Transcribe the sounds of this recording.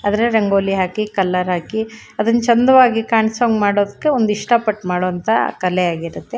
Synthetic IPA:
aːd̪ɐɾeɾɐŋɡoːliɦaːkikɐlːɐɾɦaːki | ɐd̪ɐnːt͡ʃɐnd̪ɐʋaːɡikaːɳsoːŋɡmaːɽoːd̪ɐkːe̞ond̪iʂʈapɐʈːmaːɽoɐnt̪ʰɐ̰kɐleaːɡiɾut̪ːe̞

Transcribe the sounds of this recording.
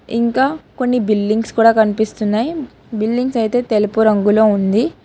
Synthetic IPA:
ḭŋkaːko̞nːibilːiŋɡskuːɽaːkɐnipist̪unːaːji | bilɖiŋɡsɐjt̪e̞ːt̪e̞lupuɾɐŋɡulo̞ːund̪i

